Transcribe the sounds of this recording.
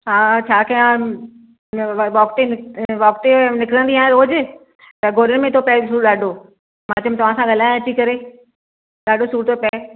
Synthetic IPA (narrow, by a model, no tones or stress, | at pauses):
ɦaːt͡ɕʰaːkʰɐjã | ʋɔːkʈenɪʋɔːkʈenɪkɾənd̪iaːɦẽoːd͡ʑɪ | t̪ɐɡʱoːɾənmẽt̪ʰopɛsuːɗaːɖʱo | mãːt͡ɕəmt̪ɐʋ̤ãːsãɡʱɐlãːɐt͡ɕikɐɾeː | ɗaːɖʱosuːɾt̪opɐɪ